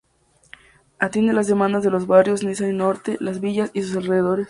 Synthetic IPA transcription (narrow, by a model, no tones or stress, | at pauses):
at̪jend̪elazðe̞mãnd̪azðe̞lo̞zβarjo̞snisaino̞ɾt̪elazβiʝasisus̬alreðeðo̞ɾe̞s